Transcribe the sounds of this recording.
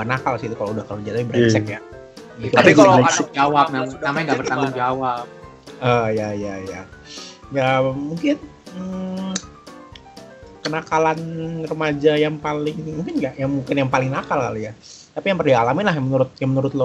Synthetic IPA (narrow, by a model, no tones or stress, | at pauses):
anakalsit̪ukaloudahkalod͡ʒalaibəɾɛt͡ʃɛkja | ik̪aikalad͡ʒawap̚naamaŋɡabərt̪aŋaŋd͡ʒawap̚ | əjajaja | jamuŋkɪnə | kənakalanrəmad͡ʒajaŋpalɪŋmuŋkɪnɡaʔjaŋmuŋkɪnjaŋpalɪŋnakalkalojat̪apijaŋpərdialamɪnlahjaŋmənuɾʊt̪̚jaŋmənuɾʊt̪̚lo